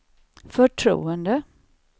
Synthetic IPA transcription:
fœʈʰɾṵːənd̪ə

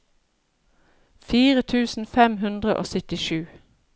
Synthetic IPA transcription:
fiːʁət̪ʰʉːsn̩fɛmhʉnd̪ʁə̰ʔo̰ːsœt̪ɪʃʉː

